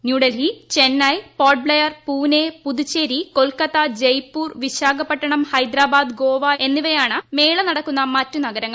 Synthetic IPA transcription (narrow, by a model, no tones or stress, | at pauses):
njuːɽelɦit͡ɕe̞nːɐjpoːɖ̚bɭejɐrpuːnepuðut͡ɕːeːɾiko̞lkɐt̪ːɐd͡ʑejpːuːrʋiɕaːɡɐpːɐʈːɐɳɐmhɐjd̪ɾaːbaːd̪ɡo̞ːʋae̞nːiʋɐjaːɳɨme̞ːɭɐnɐɽɐkːunːɐmɐtːunɐɡɐɾɐŋːɐ